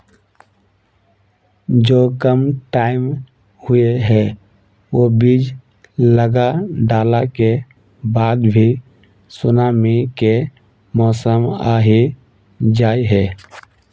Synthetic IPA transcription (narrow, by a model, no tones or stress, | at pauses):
d͡ʒoːkəmʈaːɪm | hʊeɦɛ | obid͡ʒ | ləɡaɖaːlake | baːd̪bʱi | sʊnaːmike | mɔːsəmaːɦi | d͡ʒaːiɦɛː